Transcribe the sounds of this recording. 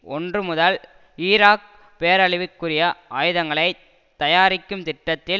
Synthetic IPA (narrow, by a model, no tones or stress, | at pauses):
ɔndrɯmʊðɐl | iːɾaːk̚ | peːɐɾɐɭɪʋɪkːɯrɪjɐʔaːjɯðɐŋɡɐɭɐɪ | t̪ɐjaːɾɪkːɯmt̪ɪʈːɐt̪ːɪl